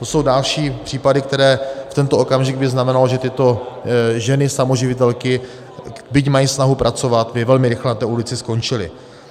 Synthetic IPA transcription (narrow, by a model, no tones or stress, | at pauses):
t̪o̞so̞wdalʃiːpr̥iːpadɪk̚t̪ɛɾɛːft̪ɛnt̪oʔokamʒɪɡ̚bɪznamɛnaloʒɛt̪ɪt̪oʒɛnɪsamo̞ʒɪvɪt̪ɛlkɪ | bɪcmajiːsnaɦupɾat͡so̞vat̪vɪvɛlmɪɾɪxlɛnat̪ɛːulɪt͡sɪsko̞nt͡ʃɪlɪ̰